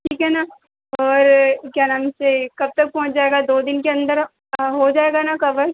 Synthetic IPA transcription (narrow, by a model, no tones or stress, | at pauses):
ʈʰiːkɦɛna | ɔːɾkjaːnamʊsekɐb̚t̪ɐk̚pɔ̃ɦʊ̃t͡ʃd͡ʒaːeɡad̪oːd̪ɪnkeɐ̃nd̪əɾ | ɦod͡ʒaːeɡanakɐbəɾ